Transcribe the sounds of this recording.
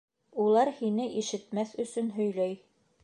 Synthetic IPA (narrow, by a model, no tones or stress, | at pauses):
ulˠɑɾhinɘʔiʃɘ̆t̪mæθɵ̆sɵnɦɵ̆jlæj